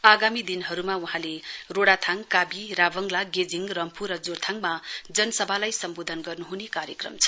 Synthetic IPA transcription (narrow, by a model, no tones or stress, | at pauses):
aɡamid̪inɦʌɾumauɦãleroɽat̪ʰaŋkabiɾabʌŋlaɡed͡ziŋrʌmpʰuɾʌd͡zort̪ʰaŋmad͡zʌnʌsʌbʱalajsʌmbod̪ʱʌnɡʌrnuɦunekaɾjʌkrʌ̰mt͡sʰʌ̥